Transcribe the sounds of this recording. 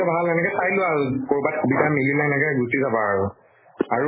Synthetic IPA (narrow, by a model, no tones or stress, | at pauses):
ɛbʱalɛnɛkɛsajlʊaɹukoɹbatkʰubitʰamililɛɛnɛkɛɡusizabaaɹu | aɹu